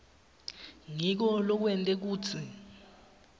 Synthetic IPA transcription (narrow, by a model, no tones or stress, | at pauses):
ŋik̬ɔlɔk̬wɛntʼɛk̬uːt͡sʰi